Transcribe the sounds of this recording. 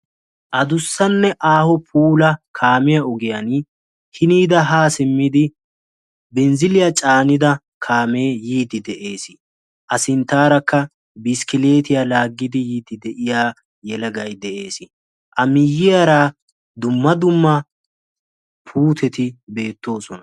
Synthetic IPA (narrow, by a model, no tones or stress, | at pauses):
ʔɐd̪ʊsːɐnːɛʔaːhɔpʰuːlɐkʰaːmɪjɐʊɡɪjɐn | hɪniːd̪ɐɦaːsɪmːɪd̪ɪ | bɛnzɪlɪjɐt͡ʃʼaːnɪd̪ɐ | kʰaːme̞ːjiːd̪ɪd̪ɛʔe̞ːsɪ̥ | ʔɐsɪnt̪ːaːɾɐkːɐ | bɪskɪle̞ːt̪ɪjalaːɡːɪd̪ɪjiːd̪ɪd̪ɛʔɪjaː | jɛlɐɡɐjd̪ɛʔe̞ːsɪ | ʔɐmɪjːɪjɐɾaː | d̪ʊmːɐd̪ʊmːɐ | pʰuːt̪ʰɛt̪ɪbe̞ːt̪ːo̞ːsɔnɐ